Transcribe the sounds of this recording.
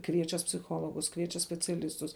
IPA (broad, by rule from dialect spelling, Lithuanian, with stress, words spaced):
ˈkʋʲiɛt͡ʃʲɛs pʲsʲɪˈxoːlˠoːɡʊs ˈkʋʲiɛt͡ʃʲɛs sʲpʲɛt͡sʲɛˈlʲɪstʊs